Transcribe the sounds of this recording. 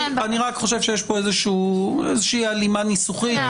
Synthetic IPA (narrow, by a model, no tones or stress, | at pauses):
aniʁakχo̞ʃe̞vʃejeʃpo̞ezeʃuːezeʃiːalimanisuχit̪